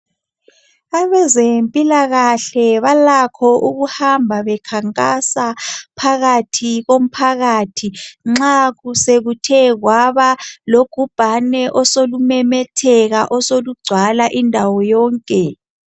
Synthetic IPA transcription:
aβɛzempʼilaɣaɬɛβalakʰɔʔuɣuhambʱaβɛkʰaŋkʼasapʰaɣatʰiɣom̩pʰaɣatʰiŋ͡ǁaɣuseɣutʰɛɣwaβaloɡ̥ʱub̥ʱanɛʔɔsolumɛmɛtʰɛɣaʔɔsoluɡ͡ǀʱwalaʔindʱawɔjɔːŋkʼɛ

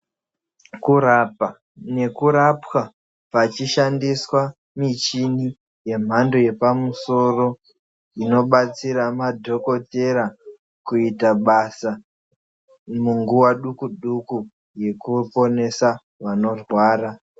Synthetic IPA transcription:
kuɾapa | ne̞kuɾapwa | pat͡ʃiʃandiswa | mit͡ʃini | je̞m̤ando̞je̞pamuso̞ro̞ | ino̞ɓat͡siɾamadʱo̞ko̞te̞ɾa | kuitaɓasa | muŋɡuwaɗukuɗuku | je̞kupo̞ne̞sa | ʋano̞rwaːɾa

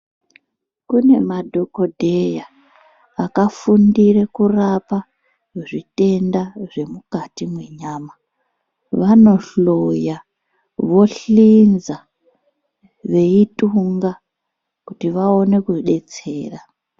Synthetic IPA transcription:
kune̞madʱo̞ko̞dʱe̞jaː | kafundire̞kurapa | ʐite̞ndaʐe̞mukatimwe̞ɲaːma | ʋano̞ɬo̞ja | ʋo̞ɬinza | ʋe̞ituŋɡa | kutiʋao̞ne̞kuɗe̞t͡se̞̰ːra

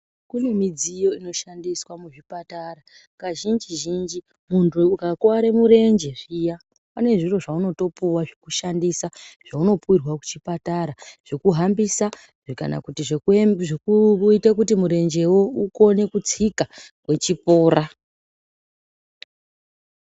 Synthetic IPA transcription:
kune̞mid͡zijo̞ino̞ʃandiswamuʐipatara | kaʒind͡ʒiʒind͡ʒi | muntʰuukakwaɾemuɾe̞nd͡ʒe̞ʐija | pane̞ʐiro̞ʐauno̞to̞puwaʐekuʃandisaʐ̥auno̞puwirwaku̥t͡ʃipataɾaʐ̥ekuɦambisa | ka̰na̰kutiʐeʐekuitakutimuɾe̞nd͡ʒe̞wouko̞ne̞kut͡sikakwe̞t͡ʃipo̞ːɾa

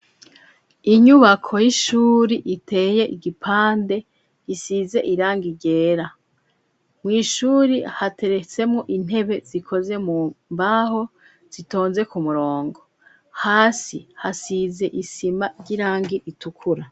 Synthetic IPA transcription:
iɲuβakʰo̞jiʃuːɾiʔitʰe̞ːje̞ʔiɡipʰaːnde̞ | ɟisize̞ʔiɾaːŋɡiɾɟe̞ːɾa | mŋiːʃuːɾihate̞ɾe̞t͡se̞mŋoʔin̥he̞βe̞z̥ikʰo̞ze̞mumbaɦo̞ | z̥ito̞ːnze̞kumuɾo̞ːŋɡo̞ | haːsihasize̞ʔisimaɾɟiɾaːŋɡiʔitukʰuɾa

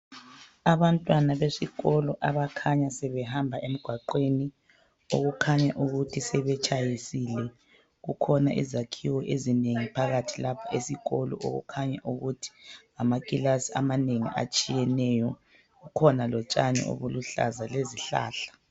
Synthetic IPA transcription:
aβantʼwanaβesiɣɔlɔʔaβakʰaɲasɛβɛhambʱaʔem̩ɡ̥ʱwaǃweni | o̰ɣukʰaɲaʔuɣutʰisɛβɛt͡ʃʼʰajisilɛ | ɣukʰɔnaʔḭzakʰiwɔʔezineŋipʰaɣatʰilapʰaesiɣɔlɔ̰ʔo̰ɣṵkʰaɲaʔuɣutʰi̥ | amakʼilasia̰maneŋḭʔa̰t͡ʃʼijɛnɛjɔ | ɣukʰɔnalɔt͡ʃʼaɲɛ̰o̰βuluɬa̰zaleziɬa̰ːɬḁ

